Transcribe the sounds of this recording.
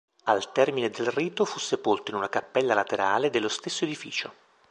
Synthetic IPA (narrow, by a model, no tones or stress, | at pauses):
alt̪ɛrmined̪elriːt̪ofusːepolt̪oinunakapːɛlːalat̪eɾaːled̪elːost̪esːoed̪ifiːt͡ʃo